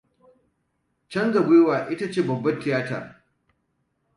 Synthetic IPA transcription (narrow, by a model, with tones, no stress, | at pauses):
t͡ʃɐ˦ŋɡɐ˨ɡʷeː˦waː˨ʔɪ˦ta˦t͡ʃeː˦˨bɐ˨bːɐ˦tːɪ˨jaː˦ta̰ː˨